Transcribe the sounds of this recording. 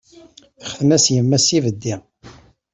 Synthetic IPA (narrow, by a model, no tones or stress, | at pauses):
θə̥χθənæsjəmːæsivəd̪ːi